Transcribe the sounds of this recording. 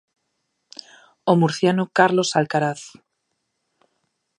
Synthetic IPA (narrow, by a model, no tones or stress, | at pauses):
omuɾθjanokaɾlosalkaɾaθ